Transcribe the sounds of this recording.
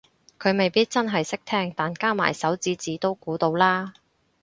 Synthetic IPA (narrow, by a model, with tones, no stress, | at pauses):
kʰɵ˨˧ɥme˨˩jpiː˥t̚t͡sɐ˥nɦɐ˨jsɪ˥k̚t̪ʰɛː˥ŋt̪aː˨nkaː˥ma̰ː˨˩jsɐ˨˥wt͡siː˨˥t͡siː˨˧t̪o˥wkuː˨˥t̪o˧wlaː˥